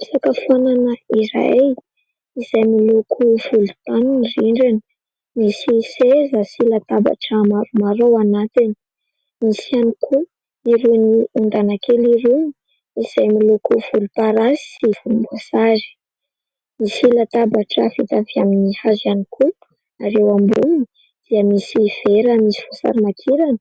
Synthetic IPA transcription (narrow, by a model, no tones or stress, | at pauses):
isakəfuananəiɾa̰ | iz̥ajmilukʰuv̥ulu̥t̪anunriɳɖ͡ʐeni̥ | misisezəsilat̪aba̰ʈ͡ʂəmaɾumaɾowanat̪in | misianikʰu | iɾuniund̪anakeliɾun | iz̥ajmilukuv̥ulupaɾasiv̥ulumbuasaɾi̥ | misilat̪abaʈ͡ʂəfit̪aviaminihazaniku | aɾewambumii | d̪̥iəmisiv̥eɾəmisi̥fusa̰ɾimak̪ʰiɾanə̥